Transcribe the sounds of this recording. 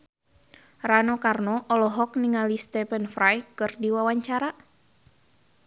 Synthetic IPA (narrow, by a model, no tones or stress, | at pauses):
ranɔkarnɔʔɔlɔɦɔkniŋalist̪ɛfɛnfɾajkɨrdiwawaɲt͡ʃaɾa